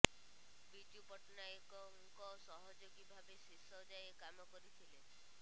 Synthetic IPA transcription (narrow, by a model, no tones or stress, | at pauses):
bid͡ʒupɔʈnajkɔŋkɔsɔɦɔd͡ʒoɡibʱabesisɔd͡ʒajekamɔkɔɾit̪ʰile